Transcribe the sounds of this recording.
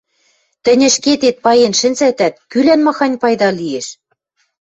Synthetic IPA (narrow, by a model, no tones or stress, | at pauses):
t̪ɘ̆nʲɘ̆ʃket̪et̪̚pɑjenʃɘ̆nsæt̪æt̪̚kylænmɑxɑnʲpɑjd̪ɑlieʃ